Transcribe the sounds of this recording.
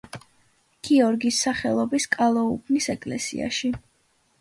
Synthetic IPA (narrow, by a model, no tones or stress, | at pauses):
ɡ̥iɔɾɡisːaχɛlˠɔbiskʼalˠɔṵbʰnisɛkʼlɛsḭa̰ʃi